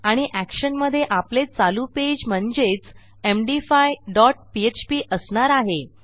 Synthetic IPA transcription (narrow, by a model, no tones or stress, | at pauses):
aɽ̃iʔækɕənməd̪ʱːjeʔaplet͡saluped͡ʑm̤əɳd͡ʑet͡s | emɖifajɖɔʈ̚piet͡ɕpiːʔəsɳaɾaɦe